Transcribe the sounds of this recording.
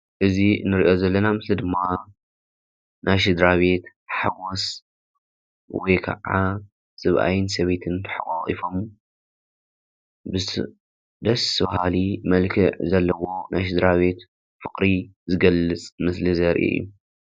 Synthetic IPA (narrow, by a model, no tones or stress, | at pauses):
ʔɨzinɨɾiʔo̞zɐlːɐnamɨslid̪ɨmːa | nʔajʃ̬ɨd̪ɾaβe̞t̪ | ħaɡos | wɔjkʰɐ̰ʕa | sɨβʔa̰jɪns̬ɐβe̞t̪ʰɨnt̪ʰɨħa̰kʼaχʼḭfo̞m | bɨ | d̪ɐsɐβahalimɐlkʰɨʕzɐlːɐwo̞nʔa̰jʃ̬ɨd̪ɾaβe̞t̪ | fɨkʼɾizɨɡɐlːɨt͡sʼmɨslizɐɾʔḛjːṵ